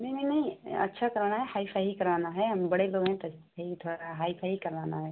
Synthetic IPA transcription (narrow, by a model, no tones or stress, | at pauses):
nɐɦĩnɐɦĩnɐɦĩɐ̰tːʃʰakɐɾaːnaɦɛhaːipʰaɦikɐɾʋaːnaɦɛɦɐmbɐɽeloːɡɦɛ̃t̪ɐskeit̪ʰoːɽaɦaːipʰaɦikɐɾʋaːnaɦɛː